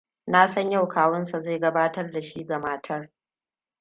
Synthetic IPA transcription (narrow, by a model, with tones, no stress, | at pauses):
naː˦sɐ˦ɲja˦˨wkʰaː˦wʊ˦nsa˨za˦˨ɡɐ˦baː˦tɐ˦rda˨ʃiː˦ɡɐ˨maː˦tʰɐ˦r